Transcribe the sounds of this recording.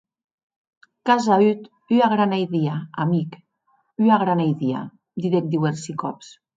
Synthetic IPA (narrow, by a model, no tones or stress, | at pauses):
kazayt̪ | yaɣɾanajðiaamik | yaɣɾanajðia̰ | d̪iðek̚d̪iweɾsikɔ̰ps